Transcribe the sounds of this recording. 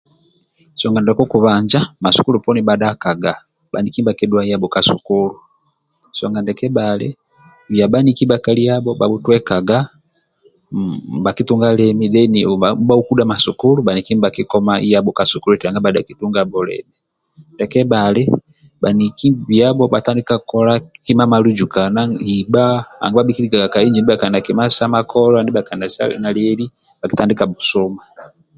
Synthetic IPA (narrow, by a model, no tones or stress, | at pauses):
sɔŋɡandakɔkuβaɲd͡ʒamasu̥kulupɔnibadakaɡa | ba̰nikimibakidwaijabɔkasṵkulu | sɔŋɡandɛkɛbalɛ̰ | βjabanikibakaliabɔbabutwɛkaɡa | bakituŋɡalɛmidɛnibaukudamasukulubanikimibakikɔmaʔijabɔkasukulutiɾaŋɡabadakituŋɡabɔlɛ̰mi | dɛkɛbalɛ | banikimbiabɔbatandikakɔlakimamalud͡ʒukanaibaa̰ŋɡubabikiliɡaɡakaiɲd͡ʒindibakandakimasamakʰɔlɔandibakandasa̰naliɛli | bakitandikabusɔma